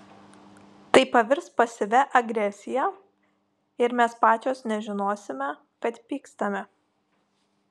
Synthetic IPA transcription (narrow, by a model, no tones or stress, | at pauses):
t̪ɐɪpɐʋʲɪɾspɐsʲɪʋʲɛʔɐɡɾʲɛsʲɪjɛː | ɪɾmʲɛspɑːt͡ʃʲoːsnʲɛʒʲɪnoːsʲɪmʲɛ | kɐt̪pʲiːkst̪ɐmʲɛ